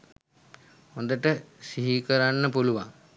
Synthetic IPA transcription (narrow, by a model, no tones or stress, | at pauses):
hond̪əʈəsiɦikəɾanːəpuluʋa̰ŋ